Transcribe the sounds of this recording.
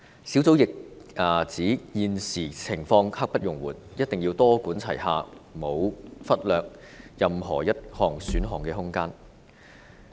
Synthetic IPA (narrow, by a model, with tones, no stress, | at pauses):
siː˨˥wt͡so˨˥wjɪ˨k̚ʔaː˨˩t͡siː˨˥jiː˨nsiː˨˩t͡sʰɪ˨˩ŋfɔː˧ŋha˥k̚pɐ˥t̚jʊ˨ŋwuː˨˩njɐ˥t̚t̪ɪ˨ŋjiː˧wt̪ɔː˥kuː˨˥nt͡sʰɐ̰˨˩jha̰ː˨mo˨˧wfɐ˥t̚lœː˨k̚ | jɐ˨mɦɔ̰ː˨˩jɐ˥t̚hɔː˨˩ŋsyː˨˥nɦɔː˨ŋkɛː˧ɦʊ˥ŋkaː˥n